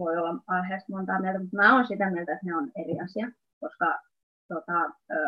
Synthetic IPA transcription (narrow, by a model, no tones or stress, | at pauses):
ʋoiolːɑɑhest̪mont̪ɑːmielt̪æmut̪mæːoːnsit̪æmielt̪æet̪neoneriɑsiɑ | koskɑ | t̪ot̪ɑ